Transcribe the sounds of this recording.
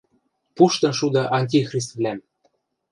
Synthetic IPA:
puʃt̪ɤ̆nʃud̪ɑʔɑnʲtʲixrʲis̬t̪vlʲæm

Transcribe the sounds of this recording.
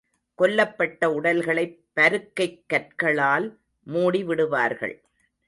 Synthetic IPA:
kɔlːɐpːɐʈːɐʊɽɐlɣɐɭɐɪpːɐɾɯkːɐɪkːɐʈ̚kɐɭaːl | muːɽiʋɪɽɯʋa̰ːɾɣɐ̰ɭ

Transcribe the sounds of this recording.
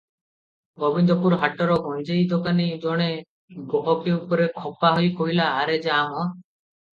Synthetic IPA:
bɔbind̪ɔpuɾɦaʈɔɾɔɡɔ̃j̃d͡ʒejd̪ɔkanid͡ʒɔɽ̃e | ɡɔɦɔkeupɔɾekʰɔpaɦɔjkɔɦilaːɾed͡ʒeamɔ

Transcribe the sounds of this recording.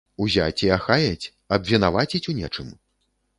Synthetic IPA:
uzʲa̰t͡sʲiaxajɐt͡sʲ | ɐbvʲinavat͡sʲit͡sʲunʲɛ̰t͡ʂɨm

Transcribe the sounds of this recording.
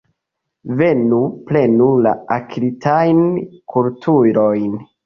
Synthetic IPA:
ve̞nuple̞nula̰akʰɾitajnkʰultʰuɾo̞jn

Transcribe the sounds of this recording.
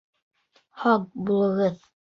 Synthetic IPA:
hɑq̚bulˠɤ̆ʁɤð

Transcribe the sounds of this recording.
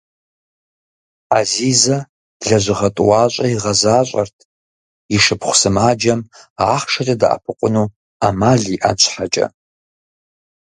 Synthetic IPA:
azizɐ | ɮɐʒʷɨʁɐtʼuwaːɕʷʼɐiʁɐzaːɕʷʼɐ̰rtʰ | iʂɨpχʷsɨmaːd͡ʒɐmaːχʂɐtʼɐda̰ʔa̰pʰɨqʷʼʊnu | amaːɮiːʔa̰nt͡ʃʷʰʼħat͡ʃʼɐ̰

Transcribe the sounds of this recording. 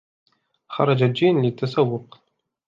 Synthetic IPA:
xɑ̰ɾˤɑd͡ʒad͡ʒiːnlɪt̪ːasawːʊq

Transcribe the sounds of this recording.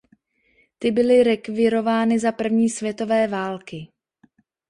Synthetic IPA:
t̪ɪbɪlɪɾɛkvɪɾo̞vaːnɪzapr̩vɲiːsvjɛt̪o̞vɛːvaːlkɪ

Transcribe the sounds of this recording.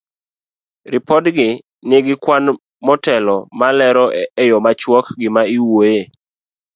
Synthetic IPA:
ɾɪpɔdɡɪ | nɪɡɪkwan | mɔtɛlɔmalɛɾɔɛjɔmat͡ʃwɔkɡɪmaiwoje

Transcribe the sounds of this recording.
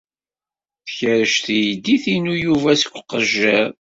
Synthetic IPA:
θçəɾəʃθjd̪iθinujuvæsə̥kʷːqːəʒːəɾ

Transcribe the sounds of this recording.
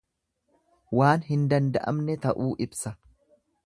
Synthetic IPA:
waːnɦɪnd̪ɐnd̪ɐʔɐ̰mnɛt̪ɐʔuːʔɪbsɐ

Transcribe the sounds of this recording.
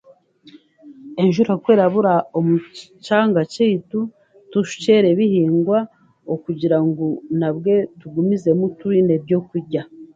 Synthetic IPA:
e̞nʒuɾokwe̞ːɾaβuɾaomut͡ʃaːŋɡaceitu | tuʃu̥ceɾe̞βihiːŋɡwa | okuɟiɾaŋɡonabɡe̞tuɡumize̞mutuɾine̞bɟo̞kuɾɟa

